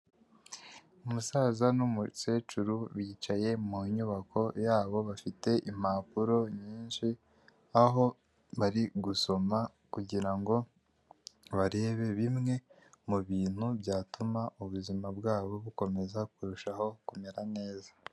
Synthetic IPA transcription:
umusaːzanumuse̞ːt͡ʃuɾuβiːt͡ʃaje̞muɲuβakʰo̞jaːβo̞βafite̞ʔim̥aːpuɾo̞ɲiːnʃi | aɦo̞ | βaɾiɡuso̞ma | kuɟiɾaŋɡo̞ | βaɾe̞ːβe̞βimŋe̞ | muβiːn̥hubjaːtumaʔuβuzimabɡaːβo̞βuko̞me̞zakuɾuʃaho̞kume̞ɾane̞ːza

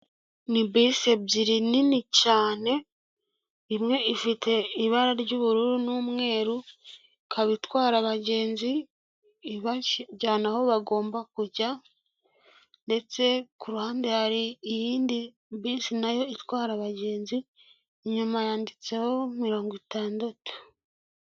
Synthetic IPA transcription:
nibisebziɾininicaːne̞ | imŋe̞ʔifitʰe̞iβaɾaɾɟuːβuɾuɾunuːmŋe̞ːɾu | kʰaβitwaːɾaβaɟe̞ːnziː | βaɟaːnaho̞βaɡo̞ːmbakuɟa | nde̞t͡se̞kuɾuhaːndehaɾiːjiːndi | βiːnsinajo̞itwaːɾaβaɟe̞ːnzi | ɲumajaːndit͡se̞ho̞miɾo̞ːŋɡitaːndatu̥

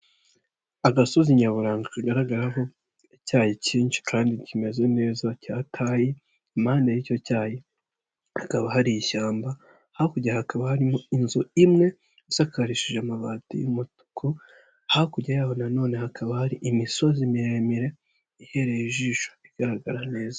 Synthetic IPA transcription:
aɡaso̞ziɲaβuɾaːŋɡakaɡaɾaɡaɾaɦo̞ | icaːjeciːnʃi̥kʰaːndicime̞ze̞ne̞ːzacaːtʰaːji | maːndajico̞caːje | hakaβaɦaɾijiʃaːmba | hahokuɟahakaβahaɾimoinzoimŋe̞ | usakaɾiʃiʒamaβaːtḭjumutu̥kʰo | hahkuɟajaho̞nano̞ːne̞hakʰaβahaɾiʔimiso̞zimiɾemiɾe̞ | ihe̞ɾejiʒiːʃoiɡ̥aɾaɡaɾane̞ːza

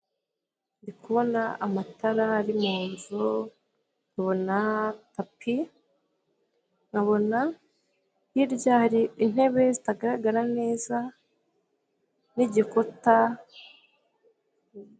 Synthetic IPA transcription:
ndikuβo̞naamataɾaːɾimuːnzu | ŋɡaβo̞natapʰi | ŋɡaβo̞na | jiɾɟaɾiin̥he̞βe̞zitaɡaɾaɡaɾane̞ːza | niɟikota

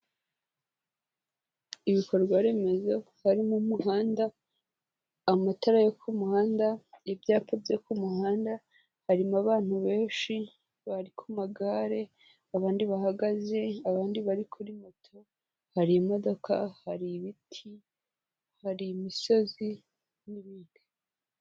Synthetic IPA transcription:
iβiko̞ɾɡwaɾe̞me̞zo | haɾimumuɦaːnda | mataɾajokʰumuhaːndaebjaːpobjekumuhaːnda | haɾimaβaːn̥uβe̞ːnʃi | βaɾikʰumaɡaːɾe̞ | aβaːndiβahaɡaze̞aβaːndiβaɾikʰuɾimotʰo̞ | haɾiimo̞do̞kʰa̰haɾiβitʰi | haɾimiso̞zi | niβiːŋɡi

